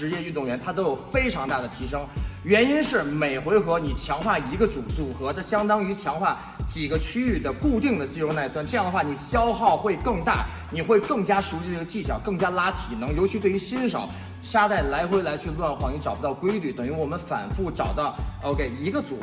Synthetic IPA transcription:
ɻ̩˧˥jɛ˥˧y˥˧t̪ʊ˥˩ŋɥɛ˧˥nt̪ʰa˥t̪̬o˥jo˨˩ʊfe˥ɪʈ͡ʂʰɑ˧˥ŋt̪a˥˩d̪ə˩t̪ʰi˧˥ʂɤ˥ŋɥɛ˧˥ni˥nʂɻ̩˥˩me˨˩ɪxwe˧˥ɪxɤ˧˥ni˨˩t͡ɕʰjɑ˧˥ŋxwa˥˩i˧˥ɡə˧ʈ͡ʂu˨˩t͡su˨˩xɤ˧˥d̪ə˥˧ɕjɑ˥ŋt̪ɑ˥ŋy˧˥t͡ɕʰjɑ˧˥ŋxwa˥˩ | t͡ɕi˨˩ɡə˦t͡ɕʰy˥y˥˩d̪ə˩ku˥˧t̪i˥˩ŋd̪ə˩t͡ɕi˥ɻo˥˧na˥˩ɪswa˥nʈ͡ʂɤ˥˧jɑ˥˩ŋd̪ə˧xwa˥˩ni˨˩ɕjɑ˥ʊxɑ˥˧ʊxwe˥˧ɪkɤ˥˧ŋt̪a̰˥˩ | ni˨˩xwe˥˧ɪkɤ˥˩ŋt͡ɕja˥ʂu˧˥ɕi˥˧˥ɡə˧t͡ɕi˥˩ɕjɑ̰˨˩ʊkɤ˥˩ŋt͡ɕja˥la˥t̪ʰi˨˩nɤ˧˥ŋjo˧˥ʊt͡ɕʰy˧˥t̪we˥˧ɪy˧˥ɕi˥nʂɑ̰˨˩˦ʊ | ʂa˥t̪a˥˩ɪla˧˥ɪxwe˥ɪla˧˥ɪt͡ɕʰy˥˧lwa˥˧nxwɑ˧˩ŋni˧˥ʈ͡ʂɑ˨˩ʊpu˧˥t̪ɑ˥˩ʊkwe˥ɪly˧˩t̪ɤ˨˩ŋɥy˧˥wɔ˨˩mə˦nfa̰˨˩nfu˥˩ʈ͡ʂɑ˨˩ʊt̪ɑ˥˩ʊo˥ʊke˧˩ɪi˧˥ɡə˧t͡sṵ˨˩

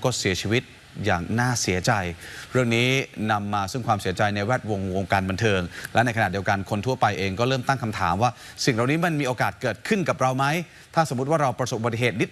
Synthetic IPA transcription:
kɔː˥˩si˩˦ɐt͡ɕʰiː˧wi˦˥t̪̚ | jaː˨˩ŋnaː˥˩si˩˦ɐt͡ɕa˧jɾɯ˥˩əŋniː˦˥na˧mːaː˧sɯ˥˩ŋkʰwaː˧msi˨˩˦ɐt͡ɕa˧jna˧jwɛː˥˩t̪̚wo˧ŋwo˧ŋkaː˧nba˧nt̪ʰɤː˧ŋlɛ˦˥na˧jkʰa˨˩t̚di˧wka˧nkʰo˧nt̪ʰu˥˩ɐpa˧jʔeː˧ŋkɔː˥˩ɾɤː˥˩mt̪a˥˩ŋkʰa˧mt̪ʰa̰ː˩˦mwaː˥˩si˨˩ŋɾa˨˩wniː˦˥ma˧nmiː˧ʔoː˧kaː˨˩t̪̚kɤː˨˩t̪̚kʰɯ˥˩nka˨˩p̚ɾa˧wma˦˥j | t̪ʰaː˥˩sa˩˦m˦˥t̪̬̚waː˥˩ɾa˧wpɾa˧so˨˩p̚bt̪i˧˩ɦeː˨˩t̪̚ni˦˥t̪̚

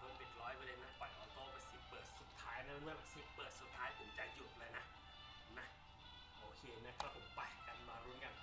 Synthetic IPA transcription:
pʰo˨˧˦mpʰi˨˩t̪̚lɔː˦˥jpɾa˧de˧nːa˦˧˥pɔ˨˩jʔɔː˧˦ŋt̪ɔː˧˩pa˧jsi˨˩pɤː˨˩t̪̚su˨˩t̪ʰːaː˦˥jna˦˥˧mɯ˧˩ə˧si˨˩pɤː˨˩t̪̚su˨˩t̪ʰːaː˦˥jpʰo˩˦mt͡ɕa˧˩jt͡ɕu˨˩t̪̚lɤː˧jna˦˥ | na˦˥ | ʔoː˧kʰeː˧na˦˥˩kʰɾa˦˥pʰːo˩˦mpa˨˩ka˧˩˧maː˧ɾuː˦˥nka˧˩n

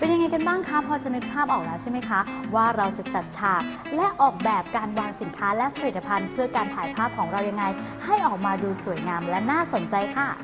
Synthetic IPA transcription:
pe˧nja˧ŋːa˧jka˧nbaː˥˩ŋkʰa˦˥pʰɔː˧t͡ɕa˧nɯ˦˥t̪̚pʰaː˥˩p̚ʔɔː˨˩k̚na˦˥wt͡ɕʰa˥˩jma˦˥jkʰa˦˥waː˥˩ɾa˧wt͡ɕa˨˩t͡ɕa˨˩t̪̚t͡ɕʰaː˨˩k̚ | lɛ˦˥ʔɔː˨˩k̚bɛː˨˩p̚kaː˧nwaː˧ŋsi˨˩˦nkʰaː˦˥lɛ˦˥pʰa˧ɾi˨˩t̪ːa˧pʰa˧npʰɯ˥˩ɐkaː˧nt̪ʰaː˩˦jpʰaː˥˩p̚kʰɔː˩˦ŋɾa˧wja˧ŋːa˧jha˥˩jʔɔː˨˩k̚maː˧duː˧su˨˩˦əjŋaː˧mlɛ˦˥naː˥˩so˨˩˦nt͡ɕa˧jkʰa˥˩

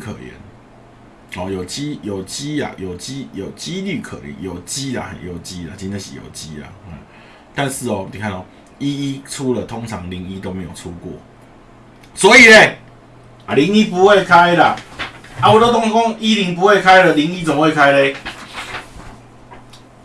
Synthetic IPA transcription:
kʰə̰˨˩jɛ̰˨˦n | hɔ˨˩jo˨˩t͡ɕi˦jo˨˩t͡ɕi˦la̰˨jo˨˩ʊt͡ɕi˦jo˨˩t͡ɕi˦ly˥˨˩kʰə̰˨˩lɛ̰˨˦njo˨˩ʊt͡ɕi˦la̰˨ə̰˨˩jo˨˩t͡ɕi˦la̰˨t͡ɕi˦na˦ɕḭ˨jo̰˨˩t͡ɕi˦la̰˨e˨ | t̪a˥˧ns̩˥˧˨ɔ˨ni˨kʰa˥˧nɔ˧˩ | i˦i˦t͡sʰu˦lə˨t̪ʰɔ˦ŋt͡sʰa˨˦ŋli˨˩ŋi˦t̪o˦ʊmẽ˨˦jo̰˨˩ʊt͡sʰu˦kwɔ̰˥˨ | swɔ˨˦i˨le˨ | ʔa˨li˧˦ŋi˦p̬u˨hwe˥˧ɪkʰa˦jla˨a˨wɔ˨t̪o˦t̪ɔ˥ŋkɔ˦ŋi˦ɾi˨˦ŋp̬u˨˦we˥˧˨ɪkʰa˦ɪlə˨li˧ŋi˦t͡sɔ˨m˦we˥˧˨kʰa˦ɪle˦

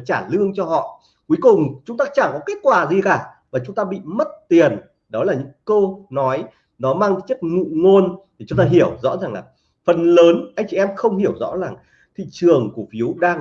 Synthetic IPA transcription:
t͡ɕaː˧˩lɨ˧əŋt͡ɕɔ˧hɔ̰˧˨ | ku˨˦kʊ˨˩ŋ͡mt͡ɕʊ˨˦ŋ͡mt̪aː˧t͡ɕa˧˩kɔ˨˦ke˦˥t̚kwaː˨˩zi˨˩kaː˧˩vaː˨˩t͡ɕʊ˨˦ŋ͡mt̪aː˧ɓḭ˧˨mə˦˥t̚t̪i˨˩ən | ɗɔ˨˦laː˨˩ɲɨ̰˧˥ŋko˧nɔ˨˦j | nɔ˨˦maː˧ŋ˧˨˦t͡ɕi˦˥ək̚ŋṵ˧˨ŋo˧nt̪ʰi˨˩t͡ɕʊ˨˦ŋ͡mt̪aː˧ɦi˧˩əwzɔ̰˧˥zaː˨˩ŋlaː˨˩ | fə˨˩nləː˨˦nʔa˧jŋ̟t͡ɕi˧˨ɛ˧mxə˧wŋ͡mhi˧˩əwzɔ̰˧˥zaː˨˩ŋ | t̪ʰḭ˧˨t͡ɕɨ˨˩əŋku˧˩əfi˨˦ə˦wɗaː˧ŋ

